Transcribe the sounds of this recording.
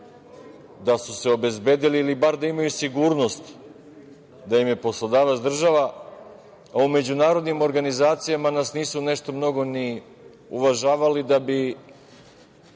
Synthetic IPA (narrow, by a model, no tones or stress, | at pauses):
d̪asuse̞obe̞zbe̞ːd̪iliːlibaɾd̪aimajusiɡuːɾno̞st̪ | d̪ajimje̞po̞slˠod̪aːʋat̪sd̪r̩ʒaʋa | aume̞d͡ʑunaːɾo̞d̪nimo̞ɾɡanizaːt̪sijamanaːsniːsune̞ʃt̪omno̞ɡo̞ni | uʋaʒaːʋalid̪abi